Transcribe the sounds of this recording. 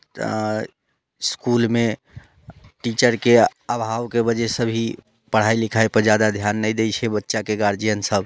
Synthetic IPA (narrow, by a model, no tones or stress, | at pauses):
skulme | ʈit͡ʃəɾkeəbʱawkebəd͡ʒesəbʱi | pəɽ̤ajlikʰajpəɾd͡ʒad̪ad̪ʱjanːəjd̪ejt͡ʃʰɛbətːʃakeɡaɾd͡ʒijənsəb